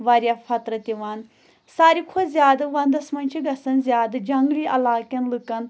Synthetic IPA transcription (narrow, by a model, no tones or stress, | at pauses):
ʋaɾʲjaːfʰɐt̪ɾɐt̪iʋaːn | saːɾikʰozʲjaːd̪ɨʋɐnd̪ɐsmɐnʲt͡ʃʰiɡɐsɐnzʲjaːd̪ɨd͡ʒɐŋɡliːʔɐ̰laːkɐnlɨkɐn